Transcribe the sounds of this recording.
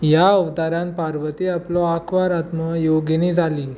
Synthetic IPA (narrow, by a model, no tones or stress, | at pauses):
jaəʋt̪aɾãnpaɾʋət̪iaplɔakʰʋaɾat̪məjoɡenid͡zʱaliː